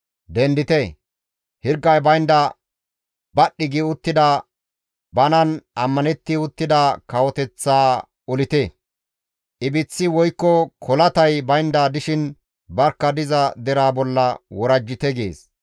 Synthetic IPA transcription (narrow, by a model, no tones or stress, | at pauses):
d̪ɛnd̪ɪt̪ɛ | hɪɾɡːɐjbɐjnd̪ɐ | bɐɗːɪɡɪʊt̪ːɪd̪ɐ | bɐnɐnɐmːɐnɛt̪ːɪʊt̪ːɪd̪ɐkɐwɔt̪ɛt͡sːaː | ɔlɪt̪e | ʔɪbɪt͡sːɪwɔjkːɔkʰɔlɐt̪ɐjbɐjnd̪aːd̪ɪʃɪn | bɐɾkːɐd̪ɪzɐd̪ɛɾaːbɔlːɐwɔɾɐd͡ʒːɪt̪ɛɡḛːs